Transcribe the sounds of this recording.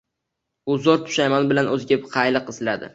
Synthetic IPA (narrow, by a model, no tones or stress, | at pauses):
bʊzɒɾt̪ʰʊ̥ʃajmanbɪlanɵzɪɡʲabqʰɑjlɨqɪslad̪ɪ̰